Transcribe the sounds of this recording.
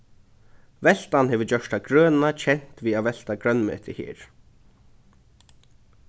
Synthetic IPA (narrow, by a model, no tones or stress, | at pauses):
vɛl̥t̪anhɛːʋʏt͡ɕœʂt̪aɡɾœːnat͡ɕʰɛn̥t̪viːavɛl̥t̪aɡɾœnmɪ̰ɛt̪ʰːɪhḛːɹ̥